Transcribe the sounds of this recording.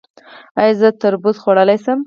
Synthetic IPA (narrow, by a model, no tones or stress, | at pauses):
ajzət̪aɾbut̪xwaɽəlajsəm